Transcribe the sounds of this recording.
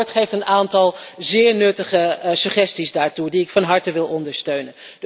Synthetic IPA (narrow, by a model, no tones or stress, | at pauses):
ɹtχejftənaːntɑlˠzɪːɹnɵtəχəsyχɛstizdaːɹtudiɪkfɑnɦɑɹtəʋɪlˠɔndəɹstøɥnən